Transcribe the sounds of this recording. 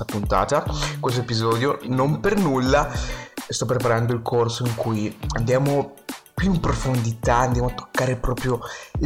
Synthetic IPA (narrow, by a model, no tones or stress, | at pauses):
apunt̪a̰ːt̪akwes̬t̪oepizɔːd̪jonompernulːast̪ɔp̬ːɾepaɾand̪oilkʰorsoiŋkujand̪jaːmopjuimpɾofond̪it̪aand̪jaːmoat̪ːo̥kːaːɾepɾɔːpɾjo